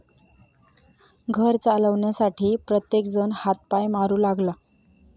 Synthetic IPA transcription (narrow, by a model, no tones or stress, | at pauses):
ɡʱəɾt͡saləʋɳjasaʈʰiːpɾət̪jekd͡zənhat̪̚pajmaɾuːlaɡla